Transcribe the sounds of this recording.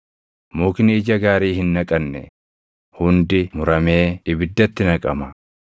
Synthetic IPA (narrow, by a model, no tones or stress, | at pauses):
muːkɪnɪɪd͡ʒɐɡaːɾiːhɪnːɐkʼɐnːɛ̰ | hʊnd̪ɪmʊɾɐme̞ːɪbɪd̪ːɐt̪ːɪnɐkʼɐmɐ